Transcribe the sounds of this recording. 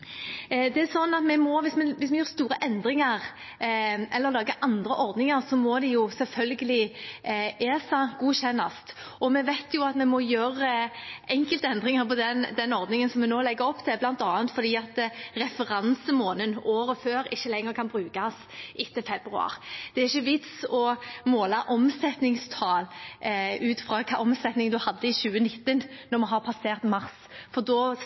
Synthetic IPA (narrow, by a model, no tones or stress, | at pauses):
d̪ɛæsɔnːɑt̪mɛmɔʋɪsmɛʋɪsmɛjøːɾst̪uːɾəʔɛnd̪ɾɪŋɑʁ | ʔɛlːəɾlɑːɡəʔɑnd̪ɾəʔɔɾd̪nɪŋəɾsɔmɔd̪ɛjʊsɛlfœlɡəlɪ | eːsɑɡuːɕɛnːɑst̪ | ɔmɛʋæɪt̪ʰjʊɑt̪mɛmɔjøːɾəʔɛŋkəlt̪əɛnd̪ʁɪŋəɾpɔd̪ɛnd̪ɛnɔɾd̪nɪŋənsɔmɛnoːlɛɡːəɾɔpːt̪ʰɪlblɑnt̪ɑːənt̪fɔɾd̪iːɑt̪ɾɛfəʁɑnsəmoːnənoːɾəføːɾɪçːəlɛŋːəɾkʰɑnbɾʉːkɑs | ʔɪt̪ːəfɛbɾʉ̰ɑ̰ːʁd̪̥ɛæʁɪçːəʋɪt̪sɔmoːlɑʔɔmsɛt̪nɪŋst̪ʰɑːl | ʉːt̪fʁɑːkʰɑːɔmsɛt̪nɪŋd̪ʉhɑd̪ːəɪɕʉːənɪt̪ːənnɔmɛɦɑʁpʰɑseːʁt̪mɑʁs | fɔʁd̪ɔː